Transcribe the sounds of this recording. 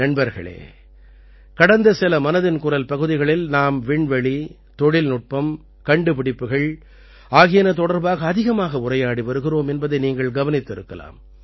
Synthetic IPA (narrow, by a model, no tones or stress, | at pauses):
nɐɳbɐɾɣɐ̰ɭḛː | kɐɽɐnd̪ɐsɪlɐmɐnɐðɪnkʊɾɐlpɐɣɯðɪɣɐɭɪlnaːmʋɪɳʋɐɭi | t̪ɔɽɪlnʊʈ̚pɐm | kɐɳɖɯpɪɽɪpːɯɣɐɭ | aːɣɪjɐnɐt̪̬ɔɽɐɾbaːɣɐːðɪɣɐmaːɣɐʊrɐjaːɽiʋɐɾɯɣɪroːmɛnbɐðɐɪniːŋɡɐɭɡɐʋɐnɪt̪ːɪɾɯkːɐla̰ːm